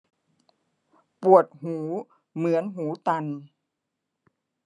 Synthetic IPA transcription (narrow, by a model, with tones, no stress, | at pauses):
pu˨˩ət̪̚huː˩˦ | mɯ˩˦ənɦuː˩˦t̪a˧n